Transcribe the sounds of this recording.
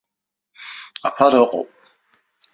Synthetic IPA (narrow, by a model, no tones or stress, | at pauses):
apʰaɾɨqʼo̰pʼ